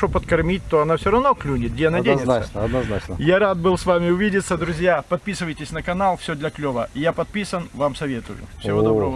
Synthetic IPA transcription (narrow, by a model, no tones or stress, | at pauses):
opət̪kɐrmʲit̚ʲt̪oɐnafsʲoɾɐvno̞klʲunʲɪt̪ɡdʲeɐnadʲenʲɪt̪səɐd̪nɐznat͡ʃnəjaɾat̪̚bɨlˠsvamʲɪʊvʲidʲɪt̪sːəd̪ɾʊzʲjapɐt̪̚pʲisɨvəjtʲɪsʲnəkɐnalˠfsʲod̪lʲɐklʲovə̰ɪjapɐt̪̚pʲisənvamsɐvʲe̞t̪ʊ̰jʊ̰fsʲɪvoɐbɾovə